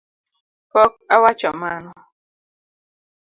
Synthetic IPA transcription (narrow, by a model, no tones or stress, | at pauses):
pɔk̚awat͡ʃɔmanɔ